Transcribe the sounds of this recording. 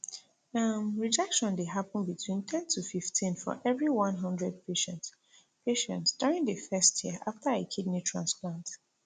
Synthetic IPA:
amɹid͡ʒɛkʃɔ̃ndeɦapə̃n̩bitʰwĩntʰɛ̃ntʰufiftʰĩnfɔ̰ʔɛvɹiwʌ̃nɦʌ̃ndɹɛd̚pʰeʃɛ̃nt | peʃɛ̃ntsd̥uɹĩŋðəfɛstʰjiəʔaftʰəekʰidnitʰɹãnsplãnt

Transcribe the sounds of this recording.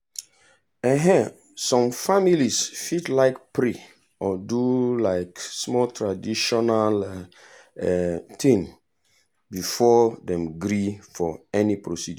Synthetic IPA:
aɦɛ̃ | sɔ̃mfamilisfitlaɪkpɹi | ɔdulaɪksmɔltʰɹadiʃɔnal | t̪ʰĩŋ | bifɔdɛ̃mɡɹifɔɛnipɹosid

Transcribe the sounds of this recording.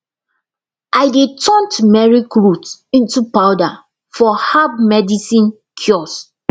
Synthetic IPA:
ʔaɪdetʰɔ̃ntmɛɹikɹutĩntupawda | fɔhabmɛdisĩn | kʰjɔs

